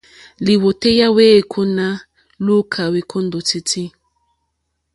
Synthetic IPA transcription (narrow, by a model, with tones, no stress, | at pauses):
li˨wo˨te˦ja˦we˦˨kʰo˦na˦ | lu˦kʰa˨we˨kʰo˦ndo˨ti˦ti˦